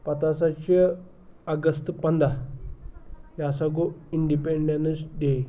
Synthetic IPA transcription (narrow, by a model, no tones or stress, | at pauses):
pət̪asat͡ɕə | əɡəst̪pənd̪a | jasaɡoiɳɖipeɳɖenəsd̪e